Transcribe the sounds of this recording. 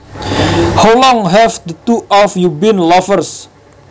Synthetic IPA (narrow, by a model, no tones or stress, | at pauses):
hawlɔ̃ŋɦɛfd̪ət̪uʔɔfjubinlɔfərs